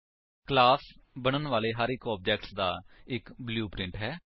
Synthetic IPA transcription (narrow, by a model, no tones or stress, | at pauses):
klaːsbəɽ̃ənʋaːleːɦaːɾɪkɔːb̚d͡ʒɛːkʈsd̪aːɪkbljuːpɾɪ̃ɳʈɦɛː